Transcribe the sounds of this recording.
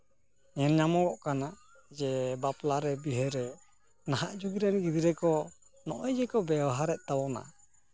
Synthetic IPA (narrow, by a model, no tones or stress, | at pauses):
ɲɛnɲamɔɡɔʔkana | d͡ʒɛbaplaɾɛbiɦɛɾɛ | naɦaʔd͡ʒuɡiɾanɡid̪iɾɛkɔ | nɔ̰ʔɔjd͡ʒɛkɔbɛwaɦaɾɛʔ̚t̪awɔna̰